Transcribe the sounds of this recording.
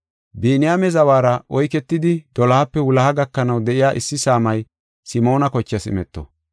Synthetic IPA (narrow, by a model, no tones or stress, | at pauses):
biːnɪjaːmɛzɐwaːɾɐʔɔjkɛt̪ːɪd̪ɪd̪ɔlɐhɐpːɛwʊlɐhɐɡɐkːɐnɐwd̪ɛʔɪjaːʔɪsːɪsaːmɐj | sɪmo̞ːnɐkɔt͡ʃːɐsɪ̰mɛt̪ːɔ̰